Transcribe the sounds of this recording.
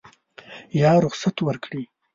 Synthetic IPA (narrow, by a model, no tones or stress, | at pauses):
jɑɾʊχsat̪wəɾkɽi